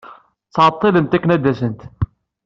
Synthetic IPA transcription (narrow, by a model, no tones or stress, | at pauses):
t͡sːʕɑt̪ˤːilənt̪ækːnæd̪ːæsənt̪